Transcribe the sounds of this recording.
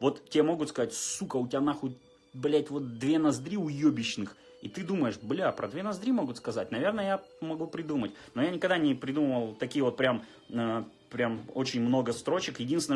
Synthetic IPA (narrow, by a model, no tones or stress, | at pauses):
vo̞t̪tʲːɪamo̞ɡʊt̪skɐzatʲsukəʊtʲɪad̪naxot̚ʲ | bɐlʲæt̚ʲvo̞t̪̚d̪vʲe̞nɐzd̪ɾʲiʊjobʲɪɕnɨx | it̪ɨd̪uməjɪʂblʲapɾɐd̪vʲe̞nɐzd̪ɾʲimo̞ɡʊt̪skɐzat̚ʲnɐvʲe̞rnəjəjamɐɡupɾʲɪd̪umətʲno̞janʲɪkɐɡd̪anʲɪpɾʲɪd̪uməvəlˠt̪ɐkʲijəvo̞t̪̚pɾʲam | ə | pɾʲamo̰t͡ɕɪnʲmno̞ɡəst̪ɾo̞t͡ɕɪkjɪdʲinsʲɪnə